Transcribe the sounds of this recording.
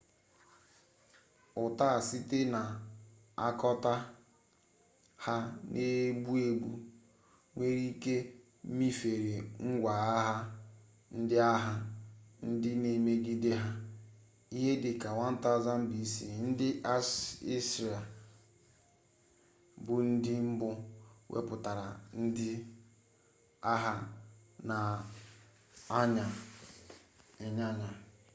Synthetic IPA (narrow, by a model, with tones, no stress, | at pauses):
ʊ˨ta˦a˨si˦te˦na˨ | a̰˦kɔ˦ta˦ | ha˦nʔe˦ɡ͡bu˦e˦ɡʷu˦ | ŋʷe˦ɾi˦ke˦ | mi˦fe˨ɾe˨ŋ̩˦ɡʷa˨a˦ɦa˦ | n̩˦dɪ˦a˦ɦa˦n̩˦dɪ˦ne˨me˦ɡi˦de˦ɦa˦ | i˦ɦe˦dɪ˨ka˨wa˦n̩˦ta˦za˦m̩˦bi˦sḭ˨n̩˦dɪ˦ʔa˦i˦sɾe˨ | bʊ˦n̩˦dɪ˦m̩˦bʊ˦wʔḛ˦pʊ˨ta˨ɾa˨n̩˦dɪ˦ | a˦ɦa˦na˨ | a˦ɲa˨ | ɪ˨ɲa˦ɲa˨